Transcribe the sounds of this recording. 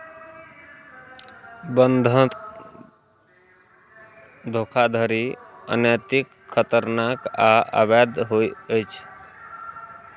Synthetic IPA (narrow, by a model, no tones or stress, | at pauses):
bənd̪ʱə | d̪ʱokʰad̪ʱəɾiə̰nəjt̪ikʰːət̪əɾnakaa̰bad̪ɦoiəjt͡ʃʰ